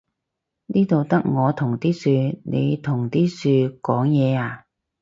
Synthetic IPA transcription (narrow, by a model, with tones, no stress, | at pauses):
niː˥t̪o˨wt̪ɐ˥k̚ŋɔː˨˧t̪ʰʊ˨˩ŋt̪iː˥syː˧ne˨˧jt̪ʰʊ˨˩ŋt̪iː˥syː˧kɔː˨˥ŋjɛː˨˧aː˨˧